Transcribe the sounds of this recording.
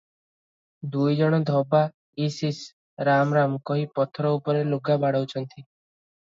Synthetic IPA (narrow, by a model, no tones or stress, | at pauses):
d̪ujd͡ʒɔɽ̃ɔd̪ʱɔba | isis | ɾamɾamkɔɦipɔt̪ʰɾɔupɔɾeluɡabaɽ̤ɔwt͡ʃʰɔnt̪ʰi